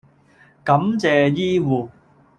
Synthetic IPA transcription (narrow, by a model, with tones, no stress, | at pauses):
kɐ˨˥mt͡sɛː˨jiː˥wuː˨˩